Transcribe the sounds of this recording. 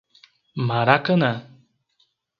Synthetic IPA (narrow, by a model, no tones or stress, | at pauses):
maɾakəna